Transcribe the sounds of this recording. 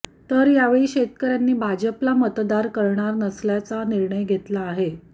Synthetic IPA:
t̪əɾjaʋeɭiːɕet̪kəɾjanːiːbʱad͡ʑəplamət̪d̪aɾkəɾɳaɾnəsljat͡saniɾɳəjɡʱet̪laːɦe

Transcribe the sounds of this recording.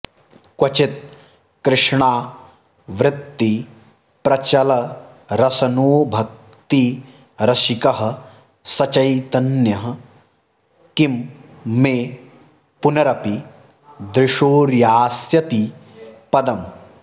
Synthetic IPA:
kwɐt͡ʃit̪̚ | kɾɪʂɳaː | ʋɾɪt̪ːi | pɾɐt͡ʃɐlɐ | ɾɐsɐnoːbʱɐk̚ | t̪i | ɾɐʃikɐɦɐ̆ | sɐt͡ʃɐjt̪ɐnjɐɦɐ | kim | mːeː | punɐɾɐpi | d̪ɾɪʂoːɾjaːsjɐt̪i | pɐd̪ɐm

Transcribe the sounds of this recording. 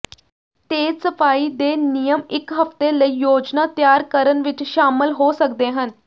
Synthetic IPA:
t̪esəfaːid̪enijəmɪkɦəft̪eləijoːd͡ʒnat̪jaːɾkəɾənʋit͡ʃʃaːməlɦosək̚d̪eɦən

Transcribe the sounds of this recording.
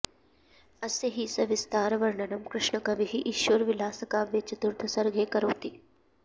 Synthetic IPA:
ɐseɦisɐʋɪst̪aːɾɐʋɐɾɳɐnɐmkɾɪʂɳɐkɐʋiɦiʔiʃʋɐɾʋɪlaːsɐkaːʋet͡ʃɐt̪uɾd̪ʰʱɐsɐɾɡʱeːkɐɾoːt̪iː

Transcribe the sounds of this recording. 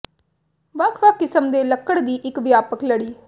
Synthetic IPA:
ʋəkʰʋəkːɪsəmd̪eːləkːəɽd̪iːʔɪkʋjaːpəkləɽiː

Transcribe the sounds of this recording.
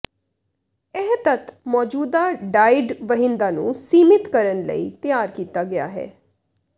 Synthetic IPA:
ɪɦt̪ət̪mɔːd͡ʒuːd̪aːɖaːɪɖʋəɦɪ̃nd̪aːnṵ̃ːsiːmɪt̪kəɾənlə̰ḭːt̪ɪjaːɾkiːt̪aːɡɪa̰ːɦɛ̰ː

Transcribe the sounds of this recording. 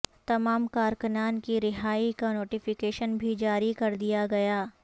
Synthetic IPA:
t̪ɐmaːmkaːɾkənaːnkiɾɪɦaːikanoːʈɪfɪkeːʃənbʱid͡ʒaːɾikɐɾd̪ijaɡɐjaː

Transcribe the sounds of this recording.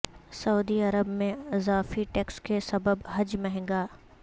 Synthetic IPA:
sɐuːd̪iɐɾəbmẽɪzaːfiʈɛːkskesɐbəbɦɐd͡ʒmɛɦɛ̃ɡaː

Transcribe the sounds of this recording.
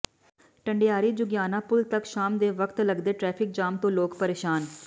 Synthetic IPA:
ʈəɳɖejaːɾiːd͡ʒʊɡjaːnãːpʊlt̪əkʃaːmd̪eːʋəkt̪ləɡd̪eːʈɾɛːpʰɪk̚d͡ʒaːmt̪õːloːkpəɾeːʃaːn

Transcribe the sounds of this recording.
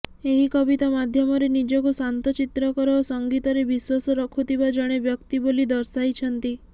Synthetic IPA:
eɦikɔbit̪amad̪ʱjɔmɔɾenid͡ʒɔkusant̪ɔt͡ʃit̪ɾɔkɔɾosɔŋɡit̪ɔɾebiswasɔɾɔkʰut̪ʰibad͡ʒɔɽ̃ebjɔkt̪ibolid̪ɔɾsajt͡ʃʰɔnt̪i

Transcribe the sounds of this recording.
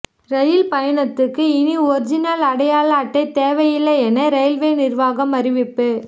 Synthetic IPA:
ɾɐjɪlpɐjɐɳɐt̪ːɯkːɯɪniɔɾɪd͡ʒɪnalɐɽɐjaːlaːʈːɐɪt̪eːʋɐjɪlːɐɛnɐɾɐjɪlʋeːnɪrʋaːɣɐmɐɾɪʋɪpːɯ

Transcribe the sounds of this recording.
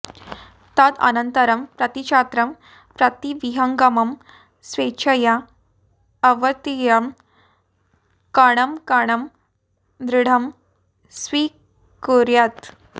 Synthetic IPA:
t̪ad̪ɐ̰nənt̪əɾɐmpɾɐt̪it͡ʃʰat̪ɾɐm | pɾɐt̪iʋiɦɐŋɡamɐm | sʋet͡ɕʰəjaː | ʋət̪ijɐm | kaɽ̃ɐmkaɽ̃ɐm | d̪ɾiɽ̤ʱɐm | sʋi | koɾjat̪

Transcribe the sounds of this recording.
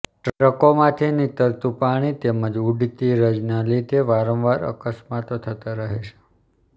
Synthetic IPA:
ʈɾɾəkomãt̪ʰinit̪əɾt̪upaɽ̃it̪eməd͡ʒuɖit̪iɾəd͡ʒnalid̪eʋaɾə̃ʋʋaɾə̰kəsmat̪ot̪ʰət̪aɾəɦeʃe̥

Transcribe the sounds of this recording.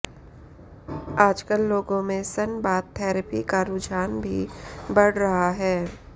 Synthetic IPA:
aːd͡ʒkəlːoːɡõmẽsənbaːt̪ʰɛːɾəpikaɾʊd͡ʒaːnbʱḭbɐɽ̤ɾɐɦaɦɛː

